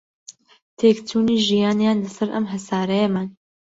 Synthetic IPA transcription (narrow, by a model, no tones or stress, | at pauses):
t̪ʰeːktʰuːniːʒijɑːnejaːnlɨsɐɾʔɐ̰mɦɐsaːɾɛjeman